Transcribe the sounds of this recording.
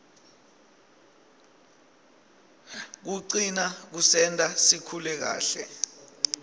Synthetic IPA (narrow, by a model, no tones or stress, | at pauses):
k̬uǀinak̬usɛntʼasikʰulɛk̬a̰ːɬɛ